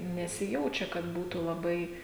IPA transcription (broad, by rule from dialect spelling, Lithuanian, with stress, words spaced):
nʲɛsʲɪˈjɛʊt͡ʃʲɛ kɐt ˈbuːtuː lˠɐˈbɐɪ